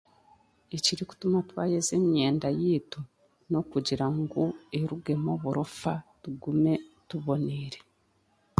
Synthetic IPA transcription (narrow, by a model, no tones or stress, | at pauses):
eciɾiku̥tumakβaːjeze̞mjeːndajiːtu | no̞kuɟiɾaŋɡoeɾuɡe̞moːβuɾofatuɡume̞tuβo̞neːɾe̞